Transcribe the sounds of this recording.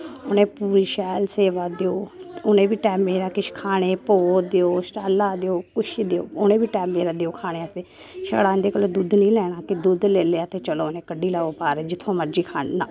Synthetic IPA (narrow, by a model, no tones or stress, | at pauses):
onẽːpuːɾiʃɛːlseːʋaːd̪eoːʊnẽːʋiːʈɛːmeːɾaːkɪʃkʰaːɽ̃eːpoːd̪eoːsʈaːlːaːd̪eoːkʊʃd̪eo̰ːʊnẽːʋiːʈɛːmːeːɾaːd̪eːoːkʰaːɽ̃eːəsd̪eː | ʃə̰ɽaːnd̪eːkəloːd̪uːd̪nĩːlɛːɽaːkɪd̪ud̪leːleaːt̪eːt͡ʃəloːnẽːkəɖiːlaːoːpaːɾːd͡ʒɪt̪ʰːõːməɾd͡ʒiːkʰaːɳnãː